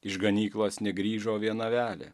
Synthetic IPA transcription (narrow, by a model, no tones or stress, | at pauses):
ɪʃɡɐnʲiːklˠoːsnʲɛɡɾʲiːʒoːʋʲiɛnɐʋʲæːlʲɛ̰